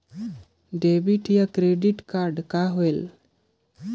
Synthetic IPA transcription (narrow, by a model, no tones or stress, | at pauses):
ɖebiʈijakɾeɖiʈkaɾɖkaɦoel